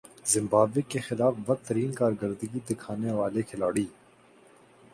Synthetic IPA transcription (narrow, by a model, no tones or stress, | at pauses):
zɪ̃mbaːbɪkːexɪlaːfbɐk̚t̪ɐɾiːnkaːɾɡəɾd̪əɡid̪ɪkʰaːneʋaːlekʰɪlaːɽiː